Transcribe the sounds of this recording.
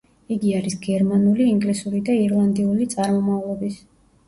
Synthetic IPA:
iɡiaɾisɡɛɾmanuliːŋɡlisuɾid̪aiɾlˠand̪iulit̪sʼaɾmɔmavlˠɔbis

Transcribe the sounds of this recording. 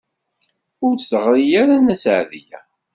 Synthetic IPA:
ʊɾθəʁɾijaɾanæsəʕðijæ̰

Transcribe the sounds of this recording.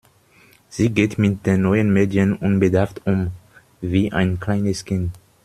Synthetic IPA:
z̥iːɡeːtmɪt̚d̥eːnːɔʏənmeːdiənʔʊnbədaɐftʊm | viːʔa̰ɪnkl̥aɪnəskʰɪnt

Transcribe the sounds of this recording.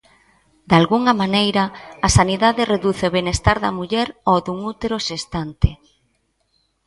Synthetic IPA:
d̪alɣuŋɐmanejɾɐːsaniðaðɪreðuθeoβenest̪aɾðɐ̰muʎɛɾoðuŋut̪eɾoʃest̪ant̪ɪ

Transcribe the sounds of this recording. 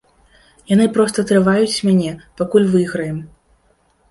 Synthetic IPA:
jan̪ɨpɾɔst̪ɐt̪ɾɨvajut͡sʲmʲanʲɛpakulʲvɨɣɾɐjɛm

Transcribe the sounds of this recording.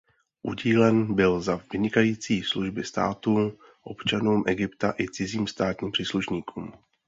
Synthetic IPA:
ʔṵɟiːlɛnbɪlzavɪɲɪkajiːt͡siːsluʒbɪst̪a̰ːt̪uː | ʔo̞̰pt͡ʃanuːmʔɛɡɪpt̪aʔɪt͡sɪziːmst̪aːt̪ɲiːmpr̝̥iːsluʃɲiːkuːm

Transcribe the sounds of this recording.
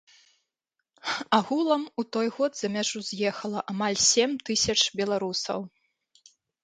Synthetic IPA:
aɣulˠɐmut̪ɔjɣɔd̪zɐmʲaʐuzʲjɛxɐlˠɐʔamalʲsʲemt̪ɨsʲɐt͡ʂbʲɛlˠaɾusɐ̰w

